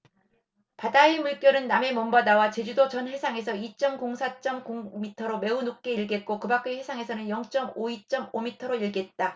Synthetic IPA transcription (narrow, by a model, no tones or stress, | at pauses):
padaemuɭk͈jʌɾɯnːame̞mʌmbadawat͡ɕe̞d͡ʑudot͡ɕʌnɸwesʰaŋe̞sʰʌit͡ɕ͈ʌmkoŋsʰat͡ɕ͈ʌmkuŋmitʰʌɾome̞unuk̚k͈e̞iɭɡe̞t̚k͈okɯbak͈eɸe̞sʰaŋe̞sʰʌnɯnjʌŋt͡ɕ͈ʌmoit͡ɕ͈ʌmomitʰʌɾoiɭɡe̞t̚t͈a